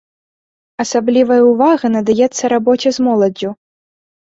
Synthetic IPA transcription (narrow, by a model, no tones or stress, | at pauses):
ɐsablʲivɐjɐuvaɣɐnɐd̪ajɛt̪sːɐɾabɔt͡sʲɐzmɔlˠɐd͡zʲu